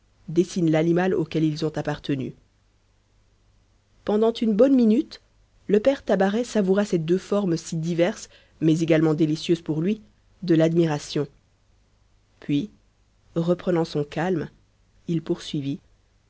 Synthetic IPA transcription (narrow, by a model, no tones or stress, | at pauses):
d̪esinlanimalo̰kʲɛlilzɔ̃t̪apaʁt̪əny̰ | pɑ̃d̪ɑ̃t̪ynbɔnminyt̪ | ləpɛʁt̪abaʁɛsavuʁasɛd̪øfɔʁmsid̪ivɛʁs | mɛzeɡalmɑ̃d̪elisjøzpuʁlɥi | d̪əlad̪miʁasjɔ̃ | pɥi | ʁəpχənɑ̃sɔ̃kalm | ilpuʁsɥivi